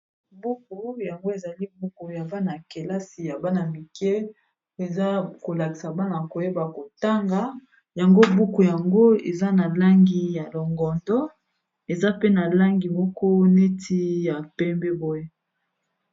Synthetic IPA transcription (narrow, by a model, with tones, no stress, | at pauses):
bu˦k̚u˨ja˨ŋɡo˦e˨za˨li˦bu˦ku˨ja˨va˦na˨ke˨la˦si˨ja˨ba˦na˨mi˨kɛ˦ | e˨za˦ko˨la˨ki˨sa˨ba˦na˨ko˨je˦ba˨ko˨ta˦ŋɡa˨ | ja˨ŋɡo˦bu˦ku˨ja˨ŋɡo˦ḛ˨za˦na˨la˦ŋɡi˨ja˨lo˨ŋɡɔ˨ndɔ˦ | e˨za˦pe˦na˨la˦ŋɡi˨mɔ˦kɔ˦ne˦tʰi˦ja˨pɛ˦mbɛ˦bo˦je˦